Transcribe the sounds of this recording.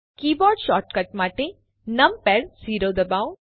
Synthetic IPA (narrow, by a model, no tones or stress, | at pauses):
kiːbɔːɖʃɔːɾʈkɐʈ̚maːʈe | nɐmpɛɽsiːɾod̪ɐbaːw